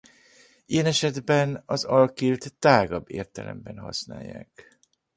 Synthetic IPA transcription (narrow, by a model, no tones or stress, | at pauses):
ʔijɛnɛʃɛd̪bɛnɒzɒlkilt̪ːaːɡɒbːeːrt̪ɛlɛ̰mbɛnɦɒ̰sna̰ːjːa̰ːk